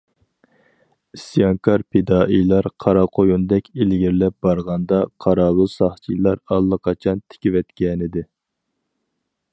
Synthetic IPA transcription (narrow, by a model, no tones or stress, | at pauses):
isijɑŋkʰɑɾpʰed̪ɑːʔijlˠɑɾqʰɑɾɑqʰojund̪ɛkʲelɡʲiɾlɛp̚bɑɾʁɑnd̪ɑqʰɑɾɑːlˠusɑχt͡ʃʰilˠɑɾɑlˠːəqʰɑt͡ʃʰɑnt̪ʰɪ̥kʲiwɛt̪kʲɛnɪd̪ɪ